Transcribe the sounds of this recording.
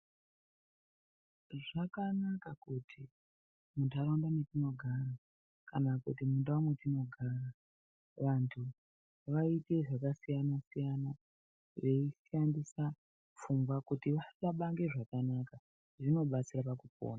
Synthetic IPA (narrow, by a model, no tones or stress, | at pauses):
ʐakanakakutʰi | muntʰuaɾondanetino̞ɡʱara | kanakṵtimunduamwe̞tino̞ɡʱara | ʋantʰu | ʋaite̞ʐakasijanasijana | ʋe̞isandisa | fuŋɡwakutiʋaitaɓaŋɡe̞ʐakanaka | ʐino̞ɓat͡sirapakup̚o̰ːna